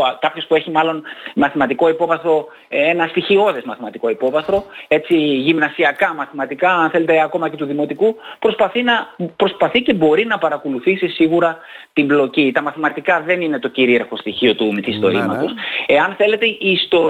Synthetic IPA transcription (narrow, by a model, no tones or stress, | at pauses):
kɐpço̞spue̞çimɐlo̞nmɐθimɐt̪iko̞ipo̞vɐθɾo̞ | enɐst̪içio̞ðe̞zmɐθimɐt̪iko̞ipo̞vɐθɾo̞e̞t͡siʝimnɐsiɐkɐmɐθimɐt̪ikɐɐnθe̞le̞t̪e̞ɐko̞mɐcet̪uðimo̞t̪ikupɾo̞spɐθinɐpɾo̞spɐθice̞bo̞ɾinɐpɐɾɐko̞luθisisiɣuɾɐ | t̪imblo̞cit̪ɐmɐθimɐt̪ikɐðe̞nine̞t̪o̞ciɾieɾxo̞st̪içio̞t̪umiθist̪o̞ɾimɐ̰t̪ose̞ɐnθe̞le̞t̪e̞ʔiːst̪o̞